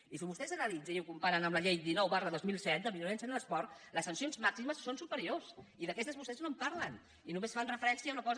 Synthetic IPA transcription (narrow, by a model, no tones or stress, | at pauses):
isiβust̪ɛzənəlid͡zəiukumpaɾənəmləʎejd̪inɔwβarəðozmilˠsɛt̪̚d̪əmilunɛnsənələspɔɾt̪ləsːənsionzmaksiməsːonsupəɾiosiðəkɛst̪əzβust̪ɛznompaɾlən | inumesfanrəfəɾɛnsiaunəkɔz